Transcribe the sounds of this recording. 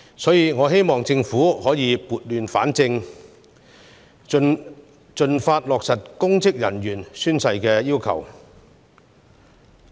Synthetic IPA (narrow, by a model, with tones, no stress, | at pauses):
sɔː˨˥jiː˨˧ŋɔː˨˧ɦe˥jmɔː˨˩ŋt͡sɪ˧ŋfuː˨˥hɔː˨˥jiː˨˧puː˨˧t̚lyː˨˧nfa̰ː˨˥nt͡sɪ˧ŋ | t͡ʃɵ˧nfaː˧t̚lɔː˨k̚sɐ˨t̚kʊ˥ŋt͡sɪ˥k̚jɐ̰˨˩njyː˨˩nsyː˥nsɐ˧jkɛː˧jiː˥wkʰɐ̰˨˩w